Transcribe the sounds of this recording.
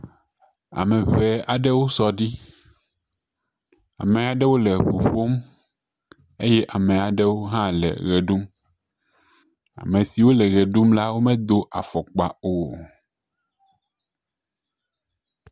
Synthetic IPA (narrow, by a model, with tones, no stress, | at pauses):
a̰˨mẽ˨βɛ˨a˨ɖɛ˦wo˦sɔ˦ɖi˦ | a̰˨me˨a˨ɖɛ˦wo˦le˨ɸu˨ɸo˦m | e˦jɛ˦ʔa˨mẽ˨a˨ɖɛ˦wo˦ɦã˦lɛ̰˨ɣe˨ɖu˦m | a̰˨mẽ˨si˨wo˦lɛ˨ɣe˨ɖu˦mla˦wo˦mɛ̃˦d̪o˦ʔa̰˨fɔ˨k͡pa˨o˨